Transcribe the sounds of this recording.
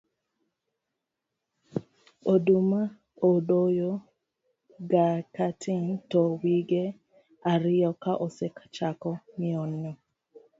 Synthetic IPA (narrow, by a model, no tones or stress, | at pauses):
oduma | odojo | ɡakatʰɪntɔwiɡe | aɾɪjɔkaʔɔsɛkḁt͡ʃakɔmɪɔnːɔ